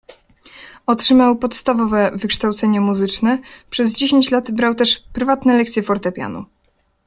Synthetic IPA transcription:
ɔtʂɘmawpɔt̪st̪avɔvɛvɘkʂt̪awt̪sɛɲɛmuzɘt͡ʂnɛpʂɛzd͡ʑeɕeɲt͡ɕlat̪bɾawt̪ɛʂpɾɘvat̪nɛlɛkt̪sʲjɛfɔɾt̪ɛpʲja̰nṵ

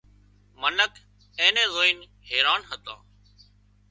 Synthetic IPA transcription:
mənəkʰ | ẽːnẽːzoːin | heːɾaːnɦət̪ã̰ː

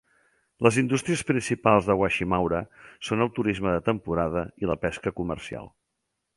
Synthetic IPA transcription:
ləzind̪ust̪ɾiəspɾinsipalˠzðəɣwaʃimawɾəsonəlˠt̪uɾizməðət̪əmpuɾað̞əiləpɛskəkumə̰rsia̰lˠ

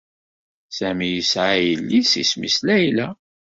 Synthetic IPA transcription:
sæmijəsʕajəlːisḭsmislæjlæ

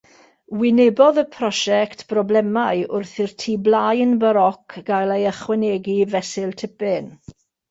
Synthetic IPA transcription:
wɪnɛbɔðəpʰrɔʃɛktb̥rɔblɛmaɨʊrθɪrtʰiːblajnbəɾɔkʰɡ̥ajlˠejəχwɛnɛɡivɛsɪlˠtʰɪpɪn

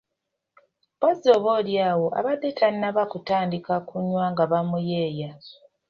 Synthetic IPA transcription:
bozoːβo̞ːljaːwo̞ʔa̰βadːetʰaninaβakutaːndikakuɲwaŋɡaβamujeːja

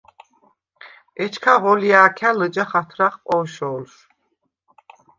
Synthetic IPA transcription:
ɛt͡ʃʰkʰaʁɔlijaːkʰaləd͡ʒaχat̪ʰɾaχqʼɔːʃɔːlʃ

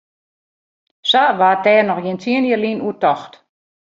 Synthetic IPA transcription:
saʋaːtɛːnɔxjint͡siəniəlinuətɔxt

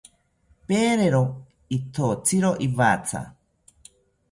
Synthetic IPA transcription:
peːɾeɾo | it̪ʰot͡sʰiɾoʔiβat͡sʰa̰

